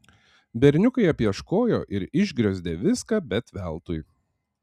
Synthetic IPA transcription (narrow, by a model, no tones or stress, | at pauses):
bʲɛɾʲnʲʊkɐɪɐpʲjiɛʃkoːjoːʔɪɾɪʒʲɡɾʲɛzʲd̪ʲeʋʲɪskɑːbʲɛt̪ʋʲɛlˠt̪ʊj